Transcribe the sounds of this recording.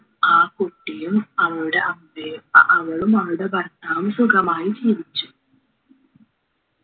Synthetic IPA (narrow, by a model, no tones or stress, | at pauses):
aːkoʈːijumɐʋɐɭuɽe̞ɐmbeɐʋɐɭumɐʋɐɭuɽe̞bɐɾt̪ːaːmsukʰɐmaːjid͡ʑiːʋit͡ɕːu̥